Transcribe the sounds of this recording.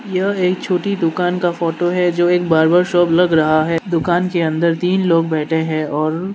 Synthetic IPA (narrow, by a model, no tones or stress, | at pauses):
jɐeːkt͡ʃʰoːʈid̪ʊkaːnkafɔːʈoɦɛd͡ʒoːeːk̚baːɾbaɾʃɔːblɐɡɾɐɦaɦɛd̪ʊkaːnkeɐ̃nd̪əɾt̪iːnloːɡ̚bɛːʈʰeɦɛ̃ɔːɾ